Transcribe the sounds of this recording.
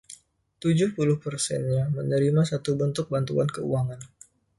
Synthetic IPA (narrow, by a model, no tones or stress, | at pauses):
t̪ud͡ʒʊhpulʊhpərsɛnɲamənəɾimasat̪ubənt̪ʊk̚bant̪ua̰nkəṵaŋan